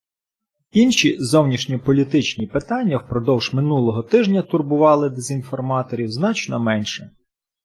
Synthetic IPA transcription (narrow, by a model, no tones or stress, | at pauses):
inʃʲizɔwnʲiʃnʲipɔlʲit̪ɪt͡ʃnʲipɪt̪ɑnʲːɐwpɾɔd̪ɔwʒ̥mɪnulˠɔɦɔt̪ɪʒnʲɐt̪ʊrbʊʋɑlˠɪd̪ezʲinfɔrmɑt̪ɔɾʲiwznɑt͡ʃnɔmɛnʃɛ